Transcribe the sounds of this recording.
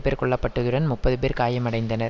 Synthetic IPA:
peːɾkɔɭːɐpːɐʈːɯðɯɽɐnmʊpːɐðɯp̬eːɾkaːjɐmɐɽɐɪnd̪ɐnɐɾ

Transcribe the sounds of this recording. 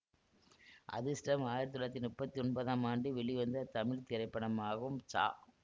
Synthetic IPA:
ʔɐ̰ðɯsʈɐmaːjɪɾɐt̪ːɯlɐt̪ːɪnmʊpːɐt̪ːiɔnpɐðaːmaːɳɖɯʋɛɭiʋɐnd̪ɐt̪ɐmɪɭt̪ɪɾɐɪpːɐɳɐmaːɣɯmt͡ʃa̰ː

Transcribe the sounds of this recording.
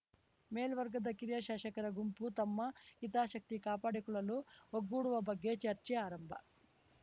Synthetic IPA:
meːlʋɐɾɡɐd̪ɐkiɾjɐʃaːʃɐkɐɾɐɡumput̪ɐmːɐit̪aːʃɐk̚t̪ikaːpaːɽikuɭɐluoɡːuːɽuʋɐbɐɡːeːt͡ʃɐɾt͡ʃeaːɾɐmbʱɐ̰

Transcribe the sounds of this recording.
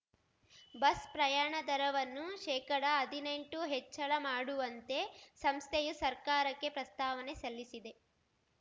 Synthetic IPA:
bɐspɾɐjaːɳɐd̪ɐɾɐʋɐnːuʃɛːkɐɽɐːd̪ʱine̞ɳʈuɦet͡ʃːɐɭɐmaːɽuʋɐnt̪e̞sɐmst̪ʰejusɐɾkaːɾɐkːe̞pɾɐst̪aːʋɐne̞sɐlːisid̪e̞

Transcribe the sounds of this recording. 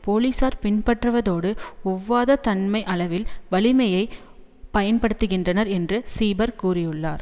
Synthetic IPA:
poːliːsaːɾpɪnpɐʈrɯʋɐðoːɽɯʊʋːaːðɐt̪ɐnmɐɪʔɐɭɐʋɪlʋɐɭɪmɐjɐɪ | pɐjɐnpɐɽɯt̪ːɯɣɪndrɐnɐɾɛndrɯsiːbɐɾkuːrɪjɯɭːa̰ːɾ

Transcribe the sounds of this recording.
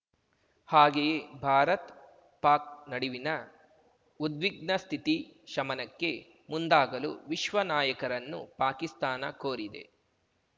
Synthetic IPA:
haːɡejebʱaːɾɐt̪ | paːk̚nɐɽiʋinɐ | ud̪ʋiɡ̚nɐst̪ʰit̪iʃɐmɐnɐkːe̞ | mund̪aːɡɐlṵʋiʃʋɐnaːjɐkɐɾɐnːṵpaːkist̪aːnɐkoːɾid̪ḛ

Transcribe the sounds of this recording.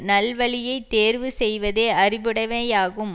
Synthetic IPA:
nɐlʋɐɭɪjɐɪt̪ːeːɾʋɯsɛjʋɐðeːɐrɪʋɪɽɐʋejaːɣɯm

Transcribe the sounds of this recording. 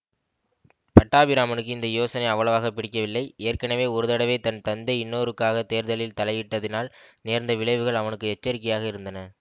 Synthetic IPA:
pɐʈːaːbɪɾaːmɐnɯkːɯɪnd̪ɐjoːsɐnɐɪɐʋːɐɭɐʋaːɣɐpːɪɽɪkːɐʋɪlːɐɪeːɾkɐnɐʋeːɔɾɯðɐɽɐʋeːt̪ɐnt̪ɐnd̪ɐɪɪnːoːɾɯkːaːɣɐt̪eːɾðɐlɪlt̪ɐlɐɪʋɪʈːɐðɪnaːlneːɾnd̪ɐʋɪɭɐɪʋɯɣɐɭɐʋɐnɯkːɯɛt͡ʃːɐɾɪk̬ːɐjaːɣɐɪɾɯnd̪ɐnɐ

